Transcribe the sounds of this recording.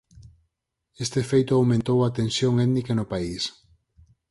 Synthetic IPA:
est̪efejt̪ʊawmẽnt̪owat̪ensjoŋɛðnikɐnʊpais

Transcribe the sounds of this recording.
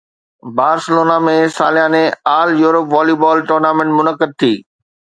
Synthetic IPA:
baːɾsɪloːnamẽsaːlijãːnẽaːljuːɾəpʋaːlibɔːlʈoːɾnaːmẽɳʈmʊnəkːəd̪̚t̪ʰiː

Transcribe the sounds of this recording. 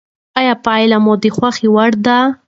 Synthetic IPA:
ajapɑjlamod̪əxwaxiwaɽd̪a

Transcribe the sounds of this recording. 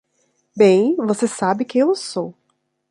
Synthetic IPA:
bẽj̃vosesabɪkẽj̃ewsow

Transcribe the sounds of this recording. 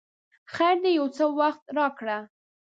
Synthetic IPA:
xajɾd̪ejawt͡səwaxt̪ɾɑkɽa

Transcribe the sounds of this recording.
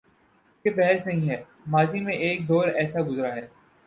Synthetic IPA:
kebɛɦɛsnɐɦĩɦɛː | maːzimẽʔeːk̚d̪ɔːɾɛːsaɡʊzɾaɦɛː

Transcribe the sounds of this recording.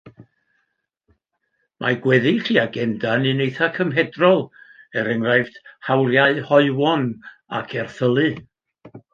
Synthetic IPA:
mʔaɡwɛðɨɬiːaɡɛmdanɨnejθakʰəmɦɛdrɔlˠɛɾɛŋrajvd̥hawljaɨhɔɨwɔn | a̰kʰɛrθəlˠɨ

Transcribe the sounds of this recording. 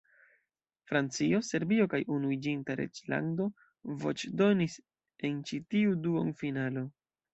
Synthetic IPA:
fɾant͡sio̞se̞ɾbio̞kajʔunuid͡ʒintaɾe̞̰d͡ʒla̰ndo̞ | vo̞̰t͡ʃdo̞nis | e̞nt͡ʃitiuduonfinalo̞

